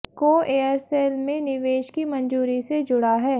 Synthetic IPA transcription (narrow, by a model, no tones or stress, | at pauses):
koːeːəɾseːlmẽnɪʋeːʃkimɐ̃nd͡ʒuːɾised͡ʒʊɽaɦɛː